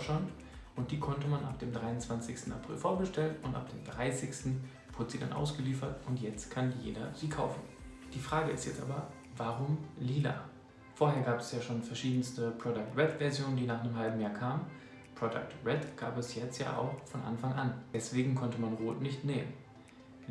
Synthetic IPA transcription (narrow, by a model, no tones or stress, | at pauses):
ʃant | ʔʊnt̚d̥iːkʰɔntəmanʔa̰p̚d̥eːmdʁaɪʊnt͡sv̥ant͡sɪçstn̩apʁ̥ɪ̰lfoːɐɡəʃtɛlnʊnta̰p̚d̥eːmdʁaɪsɪçstn̩ | v̥ʊdəz̥iːda̰nʔa̰ʊsɡ̥əliːfɐtʔʊntjɛt͡stkʰanjḛːdɐziːkʰa̰ʊfn̩ | d̥iːfʁ̥aːɡəɪ̰stjɛt͡stʔa̰ːbɐ | vaʁʊmliːla̰ː | foːɐheːɐɡaːpɛsjaːʃoːnfɛɐʃiːdn̩stəpʁ̥ɔdak̚tʁɛtvɛɐzjoːnəndiːnaːχnəmɦalbm̩jaːɐkʰaːmən | pʁ̥ɔda̰k̚tʁɛtɡ̥aːpɛsjɛt͡stja̰ːʔa̰ʊxfɔnʔa̰nfaŋʔand̥ɛsv̥eːɡŋ̩kʰɔntəmanʁoːtnɪçtneːmən